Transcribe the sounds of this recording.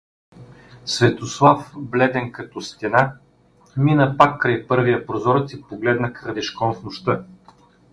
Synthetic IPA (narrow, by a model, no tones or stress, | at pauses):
svɛt̪oslˠafblɛd̪ɛnkɐt̪ɔst̪ɛna | minəpakːɾɐjpɤɾvijəpɾozɔɾt̪ipoɡlɛd̪nəkəɾd̪ɛʃkɔnfnʊʃt̪ɤ